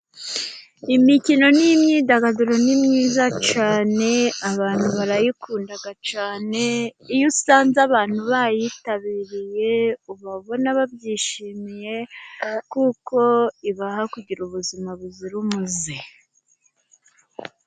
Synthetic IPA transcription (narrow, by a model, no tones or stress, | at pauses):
imicino̞nimɲiːdaɡaduɾonimɲiːzat͡ʃaːne̞aβaːn̥huβaɾajikuːndaɡat͡ʃaːne̞ijusaːnzaβaːn̥huβajitaβiɾije̞uβaβo̞naβabɟiːʃiːmije̞kuːko̞iβahakuɟiɾuβuzimaβuziɾumuzi